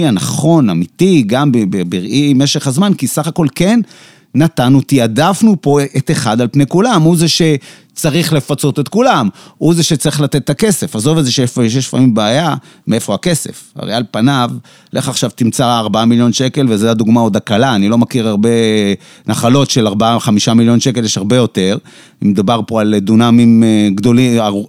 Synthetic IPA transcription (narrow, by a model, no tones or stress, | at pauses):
anaχo̞namit̪iɡambebebiʁʔime̞ʃe̞χhazmankisaχako̞lke̞nː | at̪anut̪iadafnupo̞ʔet̪eχad̪alpnekulamuzeʃe̞ | t͡saʁiχle̞fat͡so̞t̪et̪kulamuzeʃet͡saʁiχlat̪et̪ːake̞se̞fazo̞vezeʃeʃeʃfa̰mimbeaja | mee̞fo̞ake̞se̞̰fa̰ʁealpanav | lʔeχaχʃavt̪imt͡saːʁbaamiljo̞nʃe̞kelvezajad̪uɡmao̞d̪akalaːnilo̞makiʁaʁbe̞ | naχalo̞tʃe̞laʁbaaχamiʃamiljo̞nʃe̞keljeʃhaʁbe̞jo̞te̞ʁ | imed̪ubaʁpo̞ald̪unamimɡd̪o̞lia